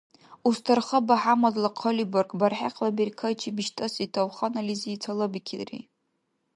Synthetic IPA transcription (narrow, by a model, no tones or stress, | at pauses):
ustʰarχɐbaħamadlaqʰoliborkʼbarħaqʰʼlabeɾkʰajt͡ʃʰibiʃtʼɐsitʰawχanaliziit͡sʰalɐbikʲʰirḭ